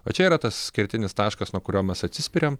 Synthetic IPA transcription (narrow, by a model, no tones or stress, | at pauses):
ʋɐt͡ʃʲɛiːɾɐt̪ɐssʲkʲɪɾʲt̪ʲɪnʲɪst̪ɑːʃkɐsnuɔkʊɾʲoːmʲɛsɐt̪ʲsʲɪsʲpʲɪɾʲom